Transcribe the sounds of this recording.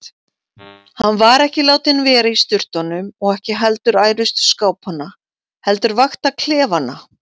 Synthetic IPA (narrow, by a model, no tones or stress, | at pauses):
hanːvaɾɛhcɪlaːwt̪ɪnvɛːɾaist̪ʏr̥t̪ɔnʏmɔɣɛhcɪɦɛlt̪ʏɾaːjɾʏst̪skaːwphanːa | hɛlt̪ʏɾvaxt̪akʰl̥ɛːvana